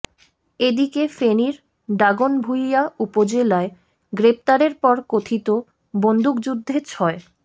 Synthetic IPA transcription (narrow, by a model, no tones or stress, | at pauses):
ed̪ikefeniɾ | ɖɾaɡonbʱujaupod͡ʑelae | ɡɾep̚t̪aɾeɾpɔɾkot̪ʰit̪o | bond̪ukd͡ʑud̪ʱːet͡ɕʰɔe